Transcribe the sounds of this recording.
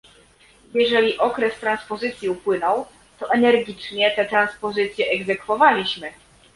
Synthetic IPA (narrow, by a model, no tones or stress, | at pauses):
jɛʐɛlʲiʔɔkɾɛst̪ɾanspɔzɘt̪sʲjiupwɘnɔw | t̪ɔʔɛnɛɾɡʲit͡ʂɲɛt̪ɛt̪ɾanspɔzɘt̪sʲjɛʔɛɡzɛkfɔvalʲiɕmɘ